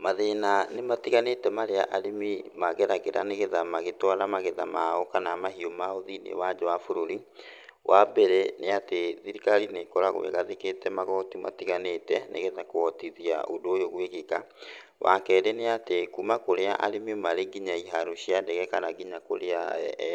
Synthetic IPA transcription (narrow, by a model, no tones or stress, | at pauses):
maðenanematiɣanetɛmaɾea̰ʔaɾimimaɣɛɾaɣeɾa̰neɣeðamaɣetwaɾamaɣeðamaɔkanamaɦiomaoðinḛwad͡ʑɔwafoɾoɾiwʔabɛɾeneateðiɾikaɾinekɔɾaɣwḛɣaðeketɛmaɣɔtima̰tiɣanetɛnʔḛɣeðakoɔtiðia̰odoojoɣweɣeka | wa̰kɛɾeneatekumakoɾea̰ʔaɾemiomaɾeɡiɲaiɦaɾoɕiandɛɣɛkanaɡiɲako̰ɾea